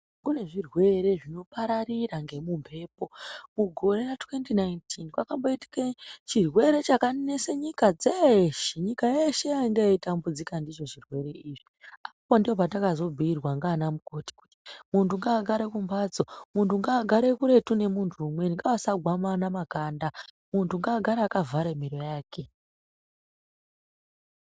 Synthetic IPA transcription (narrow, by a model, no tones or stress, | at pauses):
kune̞ʐirwe̞ɾe̞ʐino̞paɾariraŋɡe̞mumpʰe̞ːpo̞muɡʱo̞ɾe̞ratwe̞ntinaintʰinkwakambo̞iti̥kat͡ʃirwe̞ɾe̞t͡ʃakane̞seɲikad͡zeʃiɲikajeʃe̞jaiŋɡeitambud͡zikandit͡ʃo̞ʐirwe̞ɾe̞iːʐiapapondio̞patakazo̞b͡vʱiirwaŋɡaːnamuko̞ti̥ku̥ti̥muntuŋɡaːɡʱaɾekumbaːd͡zomuntuŋɡaːɡʱaɾe̞kuɾe̞tune̞muntʰuːmwe̞niŋɡawasaɡʱwamanamakanda | muntuŋɡaːɡʱaɾaːkavʱaɾemiɾo̞jaːkʰe̞